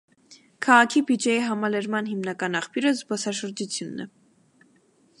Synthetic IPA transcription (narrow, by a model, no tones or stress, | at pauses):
kʰɑʁɑkʰibid͡ʒɛjiɦɑmɑlɛɾmɑnɦimnɑkɑnɑχpʰjuɾəzbɔsɑʃəɾd͡ʒut͡sʰjunːɛ̰